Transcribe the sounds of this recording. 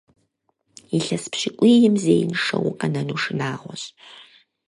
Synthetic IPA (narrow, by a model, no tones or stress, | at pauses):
iɬɐspɕɪkʷʼiːjɪmzeːjnʂɐwʊqʼɐnɐnuːʂɨnaːʁʷɔɕʼ